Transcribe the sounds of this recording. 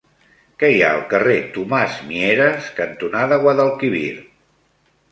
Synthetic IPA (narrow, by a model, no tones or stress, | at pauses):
kɛjaəlˠkəret̪umazmieɾəskənt̪unaðəɣwaðəlˠkiβḭɾ